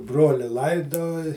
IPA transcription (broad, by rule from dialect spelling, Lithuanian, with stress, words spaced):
ˈbroːlʲɪ ˈlˠɐɪdoːj